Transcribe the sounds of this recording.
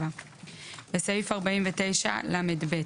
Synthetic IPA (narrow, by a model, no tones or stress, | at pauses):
va | besajifaʁbaimvet̪e̞jʃa̰lamedbe